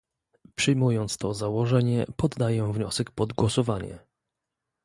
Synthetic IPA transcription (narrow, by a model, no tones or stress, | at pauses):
pʂɨjmujɔnt̪st̪ɔzawɔʐɛɲɛpɔd̪ːajɛvɲɔsɛkpɔd̪ɡwɔsɔvaɲɛ̰